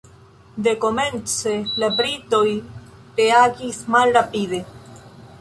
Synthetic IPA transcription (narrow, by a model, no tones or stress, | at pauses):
d̪e̞ko̞me̞nt͡selabɾit̪o̞j | teaɡismalɾapid̪e̞